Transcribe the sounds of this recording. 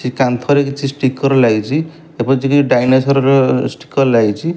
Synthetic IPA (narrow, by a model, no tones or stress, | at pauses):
t͡ʃikant̪ʰɔɾekit͡ʃʰisʈikːɔɾɔlaɡit͡ʃʰi | epɔt͡ʃikiɖajnesɔɾɔɾesʈi̥kːɔɾlaɡt͡ʃʰi